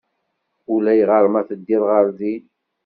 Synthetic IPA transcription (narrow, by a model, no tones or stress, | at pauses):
ulæjʁəɾˤmæθəd̪ːilʁəɾˤzi